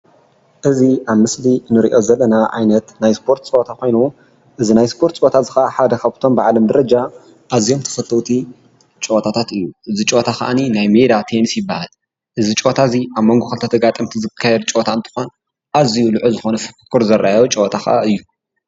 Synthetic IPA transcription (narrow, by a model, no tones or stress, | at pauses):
ʔɨziʔaβmɨslinɨɾḭʔo̞zɐlːɐnaʕa̰jnɐt̪najspʰo̞ɾt̪t͡ʃʼot̪ʰako̞jnuw | ʔɨzinajspʰo̞ɾt̪t͡ʃʼoot̪ʰazɨxɐʔaħad̪ɐkʰaβt̪ʰo̞mbaʕlɐmd̪ɐɾɐd͡ʒa | ʔazijo̞mt̪ʰɐ̥fɐt̪ʰːɐwt̪ʰi | t͡ʃʼowt̪ʰat̪ʰat̪ɨjːuʔɨzit͡ʃʼot̪ʰaxa̰ʔaninajme̞d̪at̪ʰenisjɪbːa̰ha̰l | ʔɨzit͡ʃʼowt̪ʰaziʔaβmo̞ŋɡoxɐlt̪ɐt̪ʰɐɡat̪ʼɨmt̪ʰizɨkʰːɐjɛd̪t͡ʃʼowt̪ʰant̪ʰɨ̥xo̞n | ʔazijulɨʕuzɨxonɐfɨkkʰːɨɾzɐɾʔajot͡ʃʼowt̪ʰaxa̰ʔaɨjːu